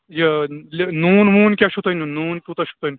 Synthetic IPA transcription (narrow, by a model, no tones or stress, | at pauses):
jɐlnuːnmuːnkʲaʃʰut̪ɐnunuːnkʲut̪ɐʃʰu̥t̪ɐnu